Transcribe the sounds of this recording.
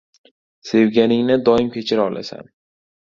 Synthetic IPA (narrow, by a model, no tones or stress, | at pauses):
se̞vɡʲanɪŋnɪd̪ɒɪmkʲʰe̞t͡ʃʰɪɾaɒlʔa̰sa̰n